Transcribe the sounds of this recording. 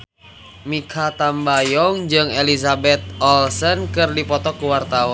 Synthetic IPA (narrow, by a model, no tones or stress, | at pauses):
mikʰat̪ambajɔŋd͡ʒɨŋelisabɛt̪̚ɔlsənkɨrdipɔt̪ɔkuwart̪aɔ